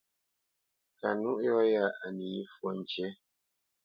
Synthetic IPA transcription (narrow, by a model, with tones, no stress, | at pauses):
ka˨nu˦ʔjɔ˦ja˦˨a˨ni˨i˦fwo˦˨n˨t͡ʃɛ˦